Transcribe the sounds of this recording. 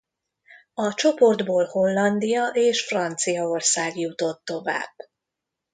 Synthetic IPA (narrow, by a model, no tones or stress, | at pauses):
ɒt͡ʃo̞po̞rd̪boːlho̞lːɒnd̪ijɒʔeːʃfrɒnt̪sijɒo̞rsaːɡjut̪o̞t̪ːo̞va̰ːb̥